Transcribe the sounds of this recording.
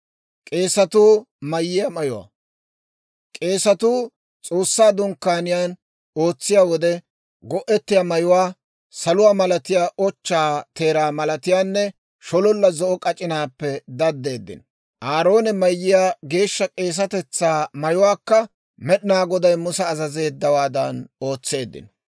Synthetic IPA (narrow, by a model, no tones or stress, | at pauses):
kʼe̞ːsɐt̪uː | mɐjːɪjɐmɐjʊwa̰ː | kʼe̞ːsɐt̪uː | t͡sʼo̞ːsːaːd̪ʊŋkːaːnɪjaːn | o̞ːt͡sːɪjaːwɔd̪ɛ | ɡɔʔɛt̪ːɪjaːmɐjʊwaː | sɐlʊwaːmɐlɐt̪ɪjaːʔɔt͡ʃːaːt̪e̞ːɾaːmɐlɐt̪ɪjaːnːɛ | ʃɔlɔlːɐzɔʔɔkʼɐt͡ʃʼɪnaːpːɛd̪ɐd̪ːe̞ːd̪ːɪ̰n | ʔaːɾo̞ːnɛmɐjːɪjaːɡe̞ːʃːɐkʼe̞ːs̬ɐt̪ɛt͡sːaːmɐjʊwaːkːɐ | mɛɗɪnaːɡɔd̪ɐjmʊsɐːzɐze̞ːd̪ːɐwaːd̪ɐ̰no̞ːt͡sːe̞ːd̪ːɪ̰n